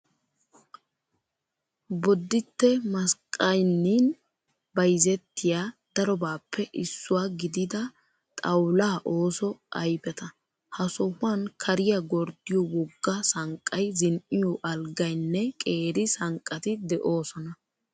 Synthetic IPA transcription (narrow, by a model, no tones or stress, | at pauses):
bɔd̪ːɪt̪ːɛmɐskʼːɐjnːiːn | bɐjzɛt̪ːɪjaːd̪̥ɐɾɔbaːpʰːɛʔɪsːʊwaɡɪd̪ɪd̪ɐ | t̪ʼɐwlaːʔoːsɔɐjbɛt̪ɐ | hɐsɔhʊwankʰɐɾɪjɐɡɔɾd̪ɪjɔwɔɡːɐsɐŋkʼːɐjzɪnʔɪjɔʔɐlɡɐjnːɛkʼe̞ːɾɪsɐŋkʼːɐt̪ɪd̪ɛʔo̞ːsɔnɐ